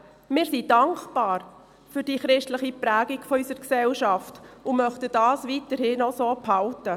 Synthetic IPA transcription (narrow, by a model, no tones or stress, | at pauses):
mɪːɾsidɑŋkbɑːɾ | fyːɾd̥iːχɾɪʃtləχipɾæːɡiɡfɔysəɾksɛlʃɑftʊmœχtədɑːsʋitəɾhɪnɔsoːphɑltə